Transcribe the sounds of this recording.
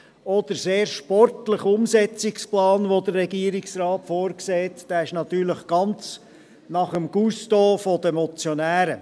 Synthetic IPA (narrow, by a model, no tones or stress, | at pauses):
ɔd̪̥əɾseːɾʃpɔɾtləχʊmsɛt͡sɪksplɑːnʋod̪əɾːɛɡiəɾɪksrɑːtfoːɾkseːt̪d̥æːɪʃnɑt̪yːɾləχɡ̥ɑnt͡s | nɑχəmɡ̥ustoːfɔd̥əmɔt͡sjonæːɾə